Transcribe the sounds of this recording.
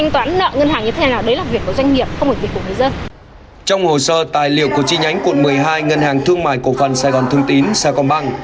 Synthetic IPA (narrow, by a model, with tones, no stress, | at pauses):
jŋ̟t̪waː˨˦nːə̰ː˧˨ŋə˧nhaː˨˩ŋɲɨ˧t̪ʰe˨˦aː˨˩˨aː˨˩wɗə˨˦jlaː˨˩vkːu˧˩əzwa˧ŋ̟ŋi˨˩əp̚xə˧wŋ͡mo˨˩vkːŋɨ˨zə˧n | t͡ɕɔ˧wŋ͡mho˨˩səː˧t̪aː˨˩jlḭ˧˨ə˨wku˧˩ət͡ɕi˧ɲa˨˦jŋ̟kwu˧˨ənmɨ˨˩əjɦaː˧jŋə˧nhaː˨˩ŋt̪ʰɨ˧əŋma̰ː˧˨jko˧˩fə˨˩nsaː˧˩jɣɔ˨˩nt̪ʰɨ˧əŋt̪i˨˦nsaː˧kɔ˧˩nɓa˧ŋ